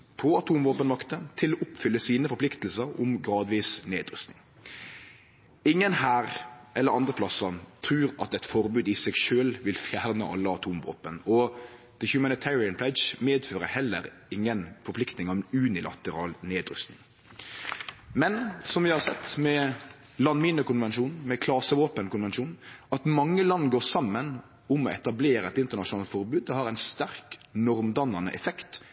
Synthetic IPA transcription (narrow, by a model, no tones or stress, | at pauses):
pʰɔɑt̪ʰuːmʋoːpənʋɑkt̪ət̪ʰɪlːɔːʔʊpfʏlːəsiːnəfɔɾpʰlɪkt̪əl̩səɾɔmɡɾɑːd̪ʋiːsneːd̪ɾʉ̰st̪nɪŋ | ɪŋːənhæːʁʔɛlːəɾɑnd̪ʁəpʰlɑsət̪ʰɾʉːɾɑ̰t̪ɛt̪fɔʁbʉːd̪ɪsɛɡʃøːlʋɪlfjæːʁnəʔɑ̰lːəɑt̪ʰuːmʋo̰ːpənɔ | d̪̥əhjʉmænɪt̪ʰæːɾɪənpʰlɛd͡ʒmeːd̪føːɾəhɛlːə̰ɾ | ɪŋːənfɔɾplɪkt̪nɪŋɑʋʉːnɪlɑ̰t̪əɾɑːlneːd̪ɾʏ̰st̪nɪ̰ŋ | mɛnsɔmʋɪhɑɾsɛt̪ːmɛ | lɑnmiːnəkʊnʋɛnʃuːnmɛkʰlɑːsəʋoːpənkʊnʋɛnʃuːnɑt̪mɑŋːəlɑnːɡoːɾsɑmːən | ʊmɔɛt̪ɑbleːɾəɛt̪ɪnt̪əɾnɑʃʊnɑːlt̪fɔɾbʉːd̪̚ːɛhɑɾæɪnst̪æɾknɔɾmd̪ɑnːɑnə̰ʔɛfɛkt̪